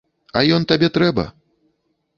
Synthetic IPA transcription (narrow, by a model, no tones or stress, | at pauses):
ɐjɔnt̪abʲɛt̪ɾɛbɐ̰